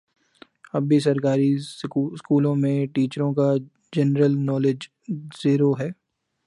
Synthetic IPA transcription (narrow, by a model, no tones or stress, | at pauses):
ɐbʱbis̬ɐɾkaːɾiskuːlõmẽʈiːt͡ʃəɾõka | d͡ʒɛnɾəlnɔːlɪd͡ʒ | z̥iːɾoɦɛː